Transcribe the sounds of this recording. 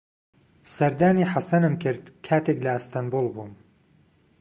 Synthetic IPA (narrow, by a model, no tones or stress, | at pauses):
sɐɾd̪aːniːħasɐnɨmkʰɨɾd̪kʰaːt̪eklɐɨst̪ʰanbuːlˠbuːm